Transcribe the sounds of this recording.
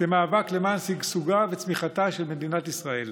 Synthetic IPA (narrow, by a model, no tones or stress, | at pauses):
v̥emaːvaklemaːnsiɡsuɡavet͡smiχat̪aʃe̞lme̞d̪inat̪isʁae̞l